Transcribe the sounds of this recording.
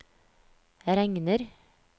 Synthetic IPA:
ɾɛŋnəɾ

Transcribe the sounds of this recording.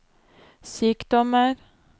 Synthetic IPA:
syːkd̪̥ɔməɾ

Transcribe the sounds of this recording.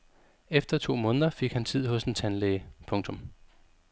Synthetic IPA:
efd̥ɐt͡sʰo̝̰ːmɔ̽ːnðˠɐfe̝ɡ̥hænt͡sʰið̞̰ˠhɔ̽sd̥ent͡sʰænleɪpʰɔ̽ŋt͡sʰɔ̽m

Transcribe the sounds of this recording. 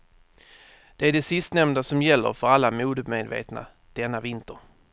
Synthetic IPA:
d̪̥ɛæɖɛsɪst̪nɛmnd̪asɔmjɛlːə̰ɾfœɾalːamuːd̪med̪vḛːt̪na̰ | d̪̥ɛnːavɪnt̪əɾ

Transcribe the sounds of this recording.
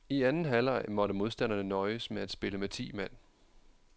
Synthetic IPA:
iænn̩ɦælɑ̈ɪmɒ̽ɾəmo̝ðˠsd̥æn̰ɐnənɒ̽ɪəsmeæd̥sb̥e̝ləmet͡sʰḭːmæn̰

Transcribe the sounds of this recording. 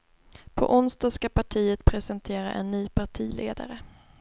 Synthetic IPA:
pʰɔ̰ʔʊnst̪ɑskapaʈʰiːət̪pʰɾɛsɛnt̪ʰeːɾa̰ʔɛnːyːpʰaʈʰiːlʔḛːd̪a̰ɾə

